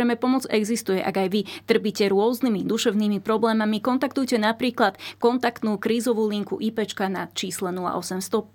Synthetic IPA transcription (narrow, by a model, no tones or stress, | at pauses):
ɛmɛpɔmɔd͡zɛɡzist̪ujɛʔa̰ɡajʋit̪r̩picɛɾʊɔznimid̪uʃɛʊniːmipɾɔblɛːmamikɔnt̪akt̪ujcɛnapɾiːklat̪kɔnt̪akt̪nuːkɾiːzɔʋuːliŋkṵʔipɛt͡ʃkanat͡ʃiːslɛnula̰ʔɔsɛmst̪ɔp